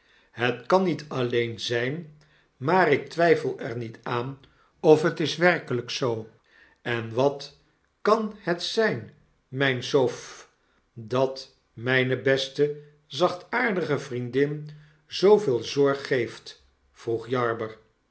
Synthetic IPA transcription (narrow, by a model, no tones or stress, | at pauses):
ɦətkɑnitʰɑlejnzɛjn | maːɾɪk̚tʋɛjfəlˠɛɹnitʰaːn | ɔfɦətɪsʋɛrkələksow | ɛnʋɑt | kɑnhətsɛjn | mɛjnsof | dɑt | mɛjnəbɛstə | zɑχtaːɹdəχəvrindɪn | z̥owvɪːlˠzɔɹχːejft | fruχjɑɹbəɹ